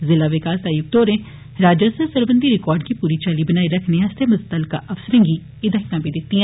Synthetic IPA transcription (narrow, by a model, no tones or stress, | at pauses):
zɪlaʋɪkaːsaːjʊk̚t̪oːɾẽ | ɾaːd͡ʒəsəɾsəɾbə̃nd̪ʱiɾɪkɔːɾɖkipuːɾit͡ʃalibɐnaːiɾɐkʰneɐst̪emʊst̪əlkaʔɐfsəɾẽŋɡi | ɪd̪aɦɪkãbʱid̪ɪt̪ːiɦɛ̃ː